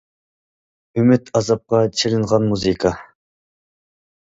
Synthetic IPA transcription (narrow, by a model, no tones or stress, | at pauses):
ymyt̪ʰɑzɑp̚qɑt͡ʃʰelɪnʁɑnmuzɨkʰɑ